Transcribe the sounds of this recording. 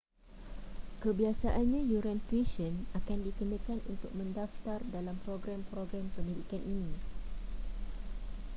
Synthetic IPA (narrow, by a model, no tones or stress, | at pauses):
kəbiasaʔanɲãjuɾãnt̪wiʃənakandikənə̃kanunt̪ʊk̚mə̃ndaft̪ardalampɾoɡɾampɾoɡɾampənidikanʔinĩ